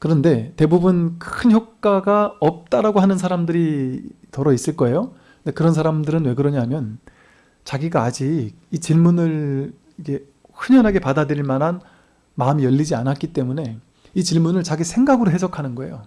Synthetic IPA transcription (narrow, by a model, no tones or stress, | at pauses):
kɯɾʌnde̞te̞bubɯnkɯnçjok̚k͈aɡaʌp̚t͈aɾaɡoɦanɯns̬ʰaɾamdɯɾitʌɾʌis͈ɯɭk͈ʌe̞jo | ɯnde̞kɯɾʌns̬ʰaɾamdɯɾɯnwe̞ɡɯɾʌɲaɦamjʌn | t͡ɕaɡiɡaːd͡ʑiɡ̚it͡ɕiɭmunɯɭ | ikʰe̞ | ɸɯɲʌnɦaɡe̞padadɯɾiɭmanɦan | maɯmijʌʎːid͡ʑianat̚k͈it͈e̞mune̞ | it͡ɕiɭmunɯɭt͡ɕaɡisʰe̞ŋɡaɡɯɾoɦe̞sʰʌkʰanɯnɡʌe̞jo